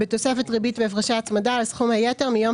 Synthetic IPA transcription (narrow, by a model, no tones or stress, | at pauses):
bɪtɔsɛfɛtʁibiːtvɛfʁaʃaːt͡smadalsχumhajɛtɛʁmɪjɔm